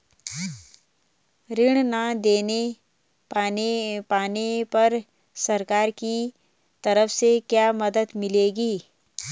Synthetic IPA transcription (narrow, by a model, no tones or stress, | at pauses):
ɾɪɽ̃nad̪eːne | paːnepɐɾ | sɐɾkaːɾki | t̪ɐɾəfsekjaːmɐd̪əd̪mɪleːɡiː